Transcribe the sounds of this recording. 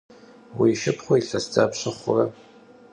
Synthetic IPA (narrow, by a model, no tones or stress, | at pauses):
wiːʃɪpʰχʷoiɬɐsd͡zaːpɕɨχʷʊ̰rɐ